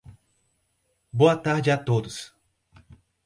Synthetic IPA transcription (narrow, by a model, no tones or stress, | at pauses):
boɐt̪aɾd͡ʒɪat̪od̪ʊs